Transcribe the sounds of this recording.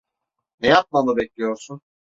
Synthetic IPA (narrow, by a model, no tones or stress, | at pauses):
nɛjap̚maabɛclʲijo̞ɾsun